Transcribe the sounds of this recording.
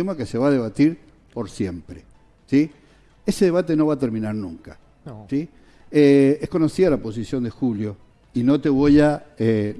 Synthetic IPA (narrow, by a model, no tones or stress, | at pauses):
emokeseβaðe̞β̞at̪iɾ | po̞ɾsje̞mpɾe | si | eseðe̞β̞at̪e̞no̞βat̪eɾmĩnaɾnũŋka | si | eehko̞no̞siðalapo̞s̬isjo̞nd̪exuljo̞ | ino̞t̪e̞βojae